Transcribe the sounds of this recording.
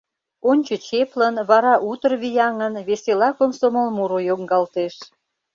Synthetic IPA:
onʲt͡ɕət͡ɕeplənβɑɾɑʔut̪ərβijɑŋənβeselɑkomsoməlmuɾojoŋɡɑlt̪eʃ

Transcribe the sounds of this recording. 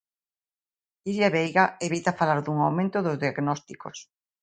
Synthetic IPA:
iɾaβejɣaeβit̪afalaɾðuŋawmẽnt̪ʊðʊzðiaɡnɔst̪iko̰s

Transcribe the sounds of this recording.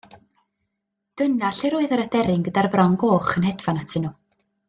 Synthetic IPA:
d̥ənaɬɪɾoːɨðəɾadɛɾɪŋɡədarvrɔŋɡoːχənɦɛdvanatʰɪnuː

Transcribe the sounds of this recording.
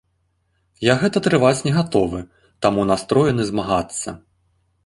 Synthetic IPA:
jaɣɛt̪ɐt̪ɾɨvat͡sʲnʲɛɣat̪ɔvɨ | t̪amunast̪ɾɔjɛnɨzmaɣat̪sːɐ̰

